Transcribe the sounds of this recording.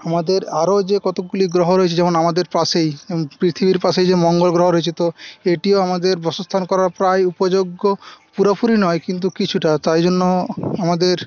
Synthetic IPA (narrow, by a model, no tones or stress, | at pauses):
amad̪eɾaɾod͡ʑekɔt̪okuliɡɾoɦoɾoet͡ɕʰed͡ʑɛmonamad̪eɾpasejpɾit̪ʰibiɾpaʃejd͡ʑemɔŋɡolɡɾoɦoɾoet͡ɕʰet̪oeʈioamad̪eɾbɔsost̪ʰankɔɾaɾpɾajupod͡ʑoɡːopuɾapuɾinɔekint̪̬ukit͡ɕʰuʈat̪aɾd͡ʑonːoamad̪eɾ